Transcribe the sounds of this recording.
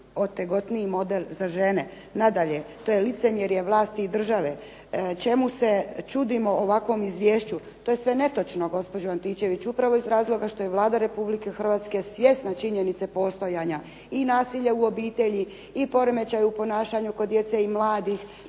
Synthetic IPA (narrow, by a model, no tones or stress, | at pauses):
ot̪ːeɡo̞t̪niimo̞d̪elzaʒe̞ne | nad̪aʎe̞t̪o̞jelit̪se̞mjeɾjeʋlˠaːst̪iːd̪r̩ʒaʋe̞ | t͡ʃe̞muse̞t͡ʃud̪imo̞oʋakʋo̞mizʋjeːʃt͡ɕu | t̪oːje̞sʋe̞ne̞t̪o̞t͡ʃno̞ɡo̞spo̞d͡ʑoant̪iːt͡ɕe̞ʋit͡ʃupɾaʋo̞izɾaːzlˠo̞ɡaʃt̪o̞je̞ʋlˠaːd̪aɾe̞publike̞xr̩ʋaːt̪ske̞sʋje̞st̪nat͡ʃiɲenit̪se̞po̞ːst̪o̞jaɲa | inaːsiʎeuo̞biːt̪e̞ʎi | ipo̞ɾome̞t͡ʃajuupo̞naːʃaɲukod̪ːje̞t̪seimlaːd̪ix